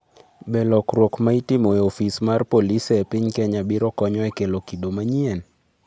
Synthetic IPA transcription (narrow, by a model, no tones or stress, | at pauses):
bɛlɔkɾwokmaitimoeofismarpolisepiɲkɛɲabiɾɔkɔɲɔɛkelokidomaɲien